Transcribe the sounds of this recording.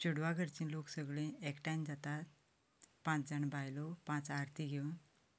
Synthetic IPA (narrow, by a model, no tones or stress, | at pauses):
t͡ɕuɽʋaɡʱəɾt͡ɕĩnloksəɡɭẽekʈajnd͡zat̪at̪ | pãt͡sd͡zaɳbajlɔpãt͡saɾt̪ʰiɡʱeun